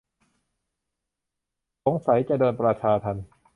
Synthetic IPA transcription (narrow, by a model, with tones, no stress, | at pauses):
so˨˩˦ŋsa˨˩˦jt͡ɕa˧dɤː˧npɾa˧t͡ɕʰaː˧t̪ʰa˧n